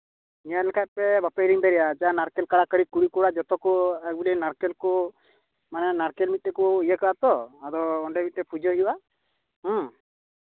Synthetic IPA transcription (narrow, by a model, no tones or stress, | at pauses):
nĩjalɛkʰat̪̚pɛbapeɾiŋb̪ɛɾɛjad͡ʒaanaɾkɛlkaɽakəɽikuɽikuɽad͡ʒɔt̪ɔkuɛk̚bulinaɾkelku | manɛanaɾkelmit̪̚ːɛkuijəkəat̪ɔad̪ɔːɳɖɛmit̪̚ːɛpʰud͡ʒɔuwa | ɦɔ̃